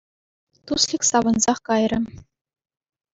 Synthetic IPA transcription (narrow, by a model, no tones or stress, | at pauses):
t̪uslʲiksɑʋɤ̆nzɑχkɑjrʲɤ̆